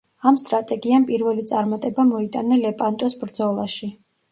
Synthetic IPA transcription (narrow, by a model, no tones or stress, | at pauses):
amst̪ʼɾat̪ʼɛɡiampʼiɾvɛlit̪sʼaɾmat̪ʼɛbamɔit̪ʼanɛlɛpʼant̪ʼɔsbɾd̪zɔlˠaʃi